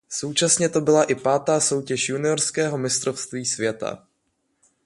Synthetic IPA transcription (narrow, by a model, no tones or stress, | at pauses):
so̞wt͡ʃasɲɛt̪o̞bɪlaʔɪpaːt̪aːso̞wcɛʃjunɪoɾskɛːɦo̞mɪst̪ɾofst̪viːsvjɛt̪a̰